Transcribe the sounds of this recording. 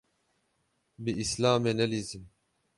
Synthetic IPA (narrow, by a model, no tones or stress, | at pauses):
biislaːmenɛlizim